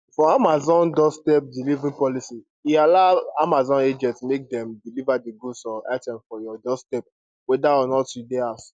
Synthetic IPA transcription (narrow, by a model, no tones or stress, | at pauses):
fɔamazɔ̃ndɔstɛp̚dilivɹĩpɔlisi | ialaamazɔ̃ned͡ʒɛ̃ntmek̚dɛ̃mdilivadeɡusɔa̰tɛ̃mfɔjɔdɔstɛp̚ | wɛdaɔnɔtjudɛas